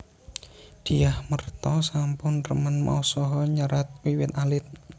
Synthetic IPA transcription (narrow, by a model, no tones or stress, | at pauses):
d̪̥iahmərt̪ɔsampʊnrəmənma̰usɔɦɔɲəɾat̪̚wiwɪt̪̚alɪt̪̚